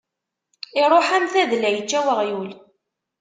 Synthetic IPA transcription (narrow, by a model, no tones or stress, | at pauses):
ɪɾˤoħæmθæðlæjət͡ʃːæwəʁjul